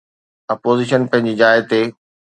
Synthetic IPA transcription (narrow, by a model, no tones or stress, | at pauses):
ɐpoːziːʃənpɐ̃ɦɪ̃ɲd͡ʑid͡ʑaːɪt̪e